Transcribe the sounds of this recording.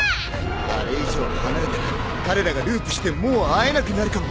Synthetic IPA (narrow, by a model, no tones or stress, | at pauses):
a̰ɾeiʑo̞ːhanaɾt̪ | kaɾe̞ɾaɡaɾɯ̟ːpɯ̟ɕi̥t̪e̞mo̞ːae̞nakɯ̟naɾɯ̟kamo